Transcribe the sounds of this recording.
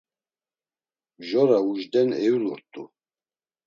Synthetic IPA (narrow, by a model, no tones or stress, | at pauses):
bʒɔɾauʒd̪ɛnɛuluɾt̪ʼu